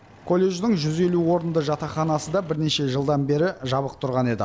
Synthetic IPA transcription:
kʰo̞lʲːe̞ʒd̪ɪŋʒʏze̞luwo̞ɾənd̪əʒɑt̪ɑχɑnɑsəd̪ɑbɪɾne̞ʃe̞ʒəlˠd̪ɑnbe̞ɾɪʒɑβəq̚t̪ʰʊɾʁɑne̞d̪ɪ̰

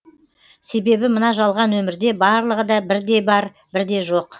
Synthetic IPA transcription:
se̞be̞bɪmənɑʒɑlˠʁɑnwɵmɪɾd̪e̞bɑɾlˠəʁəd̪ɑbɪɾd̪e̞bɑɾ | bɪɾd̪e̞ʒo̞q

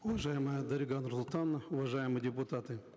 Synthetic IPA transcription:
ʊvɐʐajɪməjəd̪ɐɾʲɪɡanɾsʊlˠt̪anəʊvɐʐajɪmɨjdʲɪpʊt̪at̪ɨ

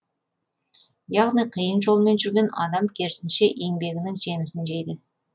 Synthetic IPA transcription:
jɑʁnijqʰəjənʒo̞lˠme̞nʒʏɾɡʲe̞nɑ̰d̪ɑmkʲʰe̞ɾt̪ɪnʃeʔe̞ŋbe̞ɡʲɪnɪŋʒe̞mɪsɪnʒejd̪ɪ

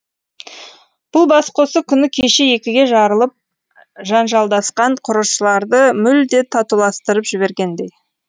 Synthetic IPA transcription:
b̥ʊlˠbɑsqʰo̞səkʲʰʏnɪkʲʰe̞ʃeje̞kʲɪɡʲe̞ʒɑɾəlˠəp̚ | ʒɑnʒɑlˠd̪ɑsqɑɴqʰʊɾəʃəlˠɑɾd̪əmʏld̪e̞t̪ʰɑt̪ulˠɑst̪əɾəpʒ̥ɪbe̞ɾɡʲe̞nd̪e̞j

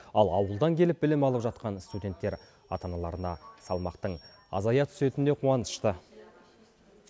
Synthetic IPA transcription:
ɑlˠɑwəlˠd̪ɑŋkʲʰe̞lɪp̚bɪlɪmɑlˠəpʒɑt̪qɑnst̪udʲe̞nt̪ːe̞ɾ | ɑ̰t̪ɑnɑlˠɑɾənɑsɑlˠmɑqt̪əɴ | ɑ̰zɑjɑt̪ʰʏ̥se̞t̪ɪne̞qʰuɑnəʃt̪ə

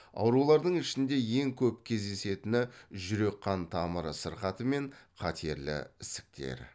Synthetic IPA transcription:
ɑ̰wɾulˠɑɾd̪əɴɪʃɪnd̪e̞je̞ŋkʲʰɵpkʲʰe̞zd̪e̞se̞t̪ɪnɪʒʏɾe̞qːɑnt̪ʰɑməɾəsəɾqɑt̪əme̞ɴqʰɑt̪ʰe̞ɾlɪ̰ɪsɪ̥k̚t̪ʰḛɾ

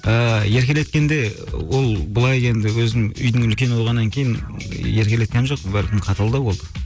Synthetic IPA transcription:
əje̞ɾkʲe̞le̞t̪̚kʲe̞nd̪e̞wo̞lˠbəlˠɑje̞nd̪ɪwɵznɪŋʏ̰jd̪ɪŋʏlkʲe̞nwoʁɑnːɑŋkʲʰe̞jɪnje̞ɾkʲele̞t̪̚kʲenʒo̞q̚pənbæɾkʲɪmqʰɑt̪ɑlˠd̪əwo̞lˠd̪ə

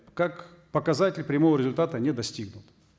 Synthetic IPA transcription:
kak | pəkɐzatʲɪlʲpɾʲɪmovəɾʲɪzʊlʲt̪at̪ənʲɛd̪ɐsʲtʲiɡnʊt̪

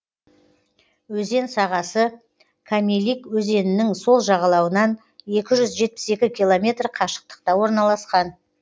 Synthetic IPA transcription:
wɵze̞nsɑʁɑsə | kʰamʲelʲikwɵze̞nɪnɪŋso̞lˠʒɑʁɑlˠɑwənɑn | e̞kʲɪʒʏzʒe̞t̪̚pɪ̥se̞kʲɪkʲʰilˠomʲe̞t̪rqʰɑʃə̥q̚t̪ə̥qt̪ɑwo̞ɾnɑlˠɑsqɑn

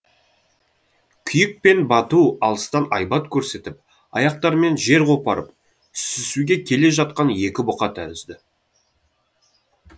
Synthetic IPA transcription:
kʲʰʏjɪk̚pe̞nbɑt̪uɑlˠəst̪ɑnɑjbɑt̪kʲʰɵɾse̞t̪ɪp̚ | ɑ̰jɑq̚t̪ɑɾme̞nʒe̞ɾqʰopɑɾəp | ʏsɪsuɡʲe̞kʲʰe̞le̞ʒɑt̪̚qɑnje̞kʲɪbʊqɑt̪ʰæɾɪzd̪ɪ

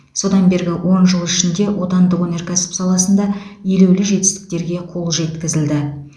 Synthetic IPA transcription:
so̞d̪ɑnbe̞ɾɡʲɪwʔo̞nʒəlˠɪʃɪnd̪e̞wʔo̞t̪ɑnd̪əwone̞rkʲʰæsɪ̥psɑlˠɑsənd̪ɑje̞lewlɪʒe̞t̪ɪ̥st̪ɪ̥k̚t̪e̞ɾɡʲe̞qʰo̞lˠʒe̞t̪kʲɪzɪld̪ɪ

